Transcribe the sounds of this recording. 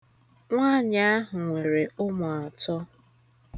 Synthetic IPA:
ŋʷa˦˨ɲa˦a˦ɦʊ˨ŋʷe˨ɾe˨ʊ˦mʊ˨a˨tɔ˦

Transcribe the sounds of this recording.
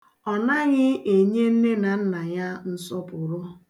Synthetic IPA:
ɔ˨na˦ɣɪ˦e˨ɲe˦n̩˦ne˦na˨n̩˦na˨ja˦n̩˦sɔ˦pʊ˨ɾʊ˦

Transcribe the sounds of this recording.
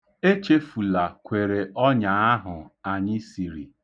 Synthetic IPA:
e˦t͡ʃe˦fu˨la˨kʷe˨ɾe˨ʔɔ˦ɲa˨a˦ɦʊ˨a˨ɲɪ˦si˨ɾḭ˨

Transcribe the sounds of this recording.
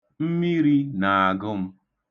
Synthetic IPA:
m̩˦mi˦ɾi˦na˨a˨ɡʊ˦m̩˦

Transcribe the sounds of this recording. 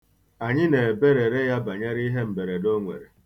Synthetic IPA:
a˨ɲɪ˦ne˨be˦ɾe˨ɾe˦ja˦ba˨ɲe˦ɾi˦ɦe˦m̩˨be˨ɾe˨do˦ŋʷḛ˨ɾe˨

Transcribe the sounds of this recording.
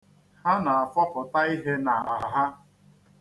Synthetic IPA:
ha˦na˨a˨fɔ˦pʊ˨ta˦i˦ɦe˦na˨a˨ɦa˦

